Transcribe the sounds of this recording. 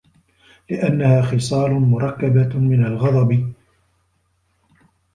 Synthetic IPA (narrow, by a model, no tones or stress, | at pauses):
lɪʔanːahaːxɨsˤɑːlʊmʊɾˤɑkːabamɪnalɣɑd̪ˤɑb